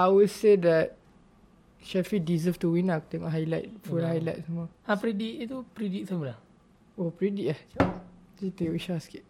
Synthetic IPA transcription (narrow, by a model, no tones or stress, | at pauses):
ajwudsedɛt̚ | ʃɛfidizəftuwĩnat̪ɛ̃ŋɔ̰ʔɦajlajt̚fulɦajlajt̚səmɔ | ãpɾidiʔt̪upɾidit̚samɔla | opɹidiʔah | d͡ʒit̪eɔiʃaskiʔ̚